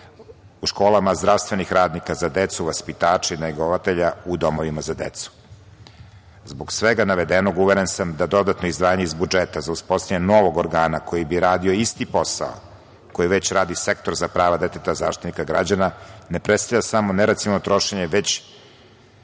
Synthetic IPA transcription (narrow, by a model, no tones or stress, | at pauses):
uʃko̞ːlˠamazd̪ɾaʋst̪vʋe̞nixɾaːd̪nikazad̪et̪suʋaspit̪aːt͡ʃainaiɡoʋat̪eʎaud̪o̞moʋimazad̪ḛt̪su̥ | zboɡsʋeɡanaʋed̪eno̞ɡuʋeɾensamd̪ad̪o̞d̪at̪noizd̪ʋaːaɲe̞izbud͡ʒet̪azauspost̪aɲeno̞ʋo̞ɡoɾɡaːnako̞jibiɾaːd̪io̞ist̪ipo̞sa̰o̰ | ko̞jiʋet͡ɕɾaːd̪isekt̪o̞ɾzapɾaːʋad̪et̪et̪aza̰ːʃt̪it̪nikaɡɾa̰d͡ʑananepɾet̪st̪aʎʲasamo̞neɾat̪sinot̪ɾo̞ʃeɲeʋet͡ɕ